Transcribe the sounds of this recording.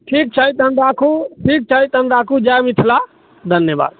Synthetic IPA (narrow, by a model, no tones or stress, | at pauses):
ʈʰiːk̚t͡ʃʰaɦit̪ənɾaːkʰuʈʰiːk̚t͡ʃʰaɦit̪ənɾaːkʰud͡ʒamit̪ʰla | d̪ʱənjəba̰ːd̪